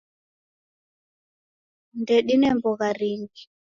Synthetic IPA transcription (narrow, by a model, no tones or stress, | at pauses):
ndɛɗinɛmbɔɣaɾiŋɡi